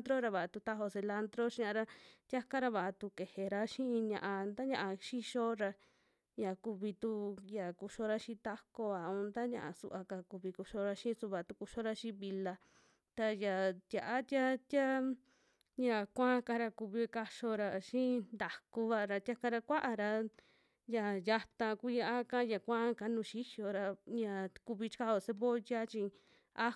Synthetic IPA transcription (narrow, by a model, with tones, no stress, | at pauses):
d̪ɾo˦ɾa˧βa˨ʔa˧t̪u˧t̪a˧ɦo˧se˧la˧nd̪ɾo˦ʃĩ˧ã˧ɾa˧t̪ʲja˦ka˦ɾa˧βa˨ʔa˧t̪u˧ke˨he˨ɾa˧ʃĩ˦˧ɲã̰˧ʔã˧nd̪a˦ɲã˧ʔa˧ʃi˦ʃo˦ɾa˧ | ja˨ku˧βi˧t̪u˧ja˨ku˧ʃo˧ɾa˧ʃĩ˧t̪a˦ko˧βa˨ũ˧nd̪a˦ɲã̰˧ʔa̰˨sṵ˧ʔa˧ka˧ku˧βi˧ku˧ʃo˧ɾa˧ʃĩ˦su˧βa˨˧t̪u˧ku˧ʃo˦ɾa˧ʃĩ˧βi˧la˧ | t̪a˧ja˨t̪ʲja˨ʔa˦t̪ʲa˦t̪ʲja˦ | jã˧˨kʷã˦ka˧ɾa˧ku˧βi˧ka˧ʃo˧ɾa˧ʃĩ˦nd̪a˨ku˧βa˦˧ɾa˧t̪ʲa˦kã˧ɾa˧kʷa˦ʔa˧ɾa˧ | ja˨ja˧t̪ã˧ku˦ja˧ʔa˦kã˦ja˨kʷã˦ka˧˦nũ˧˨ʃi˦ʃo˧ɾa˧ɲã˧˨ku˧βi˧t͡ʃi̥˦ka˦˧o˧se˧βo˦jʲa˦t͡ʃĩ˧ | a˦